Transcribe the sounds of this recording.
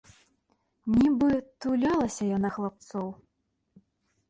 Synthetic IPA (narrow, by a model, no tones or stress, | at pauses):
nʲibɨt̪ulʲalˠɐsʲɐjanaxlˠap̚t̪sɔw